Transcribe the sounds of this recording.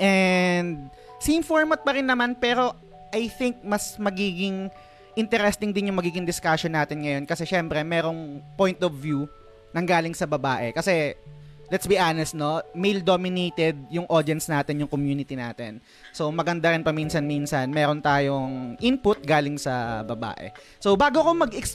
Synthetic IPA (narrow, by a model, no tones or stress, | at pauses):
ʔɛnd̪̚ | sɪɪmfoɹmɐt̪̚pɐɾɪnːɐmanpɛːɾo̞ | ʔɐjθɪŋk̚mɐsmɐɡiːɡɪŋ | ʔɪnt̪ɛɾɛst̪ɪŋd̪ɪnjʊŋmɐɡiːɡɪŋd̪ɪskaʃonːaːt̪ɪnŋɐjo̞nkɐsɛʃɛmpɾɛmɛːɾo̞ŋpojnt̪ovːju | nɐŋɡaːlɪŋsɐbɐbaːʔɛ̰kɐsɛ | lɛt̪sbiʔaːnɛst̪no̞mejld̪oːmɪnejt̪ɛd̪̚jʊŋʔod̪jɛnsnaːt̪ɪnjʊŋkomjuːnɪt̪inaːt̪ɛn | so̞wmɐɡɐnd̪aɾɪnpɐminsɐnminsɐnmɛːɾont̪aːjoŋʔɪnpʊt̪̚ɡaːlɪŋsɐbɐba̰ːʔɛ̰ | so̞baːɡokomɐɡɪks